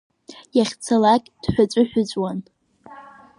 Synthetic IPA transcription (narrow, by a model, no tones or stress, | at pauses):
jaχʲt͡sʰalakʲʼd̥ħʷᶣat͡sʷʼʊħᶣʷʊt͡sʷʼwan